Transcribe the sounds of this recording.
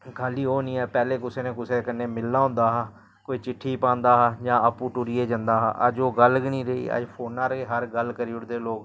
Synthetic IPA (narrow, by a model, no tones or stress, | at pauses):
kʰaːliːoːnĩːɛːpɛːleːkʊseːnẽːkʊseːkənːẽːmɪlːãːɦʊ̃ːnd̪aːɦaː | koːiːt͡ʃɪʈʰːiːpãːnd̪aːɦaːd͡ʒãːəpũːʈʊɾiːeːd͡ʒãnd̪aːɦaːʔə̰d͡ʒoːɡəlɡnĩːɾəḭːə̰d͡ʒpʰoːnaːɾeːɦəɾɡəlkəɾiːʊɽd̪eːloːɡ